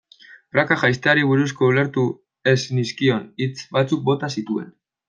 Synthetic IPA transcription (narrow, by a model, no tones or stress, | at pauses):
rakaʝajst̪eaɾiβ̞uɾusko̞ule̞ɾt̪u | esniskio̞nit͡sbat͡suk̚bo̞t̪asit̪ue̞̰n